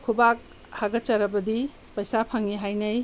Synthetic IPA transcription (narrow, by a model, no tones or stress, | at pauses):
kʰubak̚ | haɡɐt͡ʃɐɾɐbɐdi | pɐjsapʰaŋiɦajnɐj